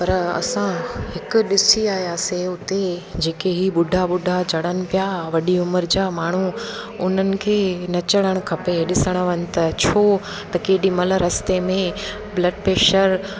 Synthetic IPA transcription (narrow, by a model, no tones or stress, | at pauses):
pɐɾɐ̰sãhɪkʊ̆ɗɪsiaːɦjaːseʊt̪ed͡ʑeːkeɦiɓʊɖʱaɓʊɖʱat͡ɕɐɽənɪ̆pijaʋɐɗiʊməɾd͡ʑaːmaːɳ̤uʊn̤ənɪ̆kʰeːnɐt͡ɕɐɽ̃əɽ̃ʊ̆kʰɐpeɗɪsəɽ̃əʋənɪ̆t̪ɐt͡ɕʰoː | t̪ɐkeːɗimɐləɾɐst̪emẽ | blɐɖpeːʃəɾ